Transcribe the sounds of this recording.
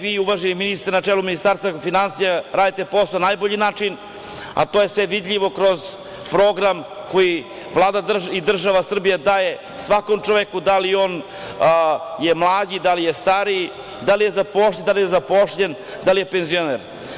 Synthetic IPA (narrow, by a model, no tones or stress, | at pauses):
ʋiːuʋaʒeniminist̪ɾnat͡ʃeluminist̪aɾst̪vafinansijaɾaːd̪it̪e̞po̞sonajboʎinaːt͡ʂin | a̰t̪oje̞sʋeʋid̪ʎʲiʋo̞kɾo̞z | pɾo̞ɡɾamko̞ji | ʋlˠaːd̪ad̪id̪r̩ʒaʋasr̩bijad̪aje | sʋakomt͡ʃoʋekud̪alio̞ːn | jemlˠaːd͡ʑid̪alijest̪aɾi | d̪alijezapo̞ʃd̪alijezapoʂʎen | d̪alije̞penzijoneɾ